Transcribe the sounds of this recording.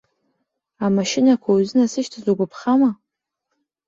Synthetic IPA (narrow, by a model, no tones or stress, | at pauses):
amaʃɪnakʷʰawuzɨnasɨʃtʰazuɡʷapʰχama